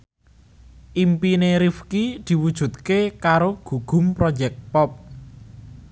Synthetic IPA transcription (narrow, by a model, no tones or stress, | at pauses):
ʔimpineɾifkid̪̥i̤wud̥ʒ̥ṳt̪̚kekaɾoɡ̥ṳɡ̥ṳmpɾɔ̥d͡ʒɛk̚pɔp̚